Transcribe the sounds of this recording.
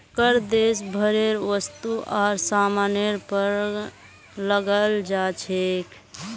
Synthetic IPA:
kəɾd̪esbʱəɾeɾʋəst̪uʔaɾsamaneɾpəɾ | ləɡəld͡ʒat͡ʃʰekʰ

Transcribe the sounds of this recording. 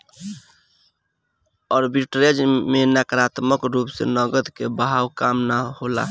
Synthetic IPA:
ɔɾbiʈɾed͡ʒmenakɾat̪məkɾupsḛnəɡəd̪kebɦawkamnahola̰

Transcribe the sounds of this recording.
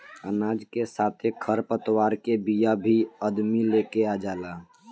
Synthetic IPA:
ənaːd͡ʒkesaːt̪ʰekʰəɾpət̪waːɾkebijabʱiəd̪milekead͡ʒaːlaː

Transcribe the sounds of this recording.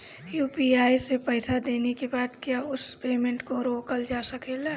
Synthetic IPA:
juːpiaːjsepəɪsad̪eːnekebaːt̪kjaʊspeːmẽɳʈkoɾoːkəld͡ʒaːsəkeːla

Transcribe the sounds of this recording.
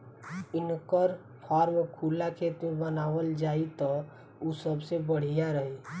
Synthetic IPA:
inkəɾ | pʰɔɾmkʰulːakʰet̪mebənaʋəld͡ʒait̪ɔ | usəbsebəɽ̤ijaɾəɦi

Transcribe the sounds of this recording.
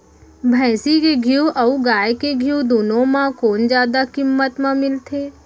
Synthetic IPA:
bʱɛ̃ːsikeɡʱiuʔɐuɡaːjkeɡʱijud̪oːnõmãkoːnd͡ʒjaːd̪akɪmːət̪mãmɪlt̪ʰeː

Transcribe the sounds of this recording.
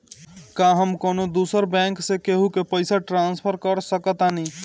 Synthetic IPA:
kãɦəmkoːnod̪usəɾbɛ̃ːŋksekeɦukepəɪsaʈɾãːnspʰəɾkəɾsəkət̪ani

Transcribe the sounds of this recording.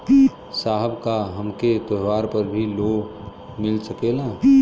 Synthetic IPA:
saːɦəbkaɦəmket̪əɦwaːɾpəɾbʱiloː | mɪlsəkela

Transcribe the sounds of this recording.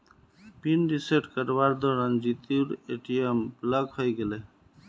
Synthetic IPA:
pinɖiseʈkəɾbaɾd̪ɔɾand͡ʒit̪iɾeʈijembləɡhəjɡele

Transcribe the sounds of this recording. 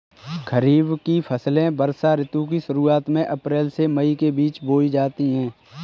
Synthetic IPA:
kʰəɾiːbkipʰəslẽbəɾsaɾɪt̪ũk̬iʃʊɾuːaːt̪mẽʔɐpɾeːlsemɐikebiːt͡ʃboːid͡ʒaːt̪iɦɛ̃ː

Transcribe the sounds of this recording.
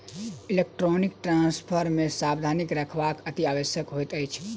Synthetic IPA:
ilek̚ʈɾonik̚ʈɾãnspʰəɾmẽsabd̪ʱanikɾəkʰʋakət̪iaʋəsjəkɦojt̪əjt͡ʃʰ

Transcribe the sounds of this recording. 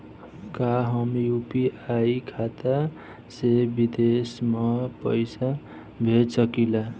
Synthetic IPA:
kaɦʌmijupiajkʰat̪a | sebid̪esmapʌjsa | bʱetsʌkila

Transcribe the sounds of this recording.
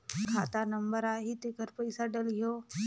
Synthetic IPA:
kʰat̪anəmbəɾaɦit̪ekəɾpəjsaɖəlɦjo

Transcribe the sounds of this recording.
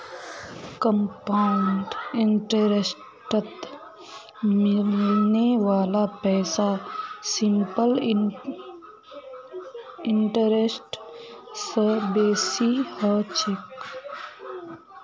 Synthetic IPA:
kəmpaʊɳɖɪɳʈəɾes | ʈət̪ | mɪlneʋaːlapɛːsasɪmpəl | ɪɳʈəɾesʈ | səbeːsihɔːt͡ʃɪk

